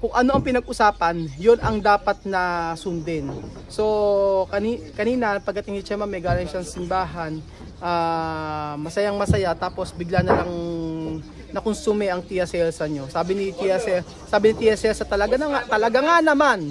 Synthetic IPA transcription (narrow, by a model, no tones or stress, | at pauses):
kʊŋʔɐno̞ʔɐŋpɪnɐɡ̚ʔʊsaːpɐnjonɐŋd̪aːpɐt̪̚nɐsʊnd̪ɛn | so̞kɐnikɐniːnɐpɐɡ̚kːɐt̪ɪŋɪt͡ʃɐmamɛjɡaːlɐŋʃaŋsɪmbaːɦɐn | ʔaː | mɐsɐjaŋmɐsɐjat̪aːpo̞sbɪɡlanɐlaŋ | nɐkʊnsumɛʔɐŋt̪iʔɐsɛlsɐɲo̞saːbɪnɪt̪iʔɐsɛl | saːbɪnɪt̪iʔɛsɛlsɐt̪ɐlɐɡanɐŋat̪ɐlɐɡaŋanɐman